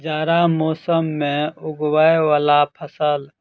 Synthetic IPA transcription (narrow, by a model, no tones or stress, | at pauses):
d͡ʒaːɾamoːsəmːẽʊɡwaewaːlapʰəsəl